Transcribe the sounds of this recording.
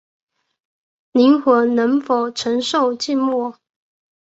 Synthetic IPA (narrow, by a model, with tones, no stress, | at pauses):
li˧˥ŋxə˨˥nə˧˥ŋfo˨˩ʊʈ͡ʂʰə˧˥ŋʂo˥˧ʊt͡ɕi˥˧nmɔ˥˩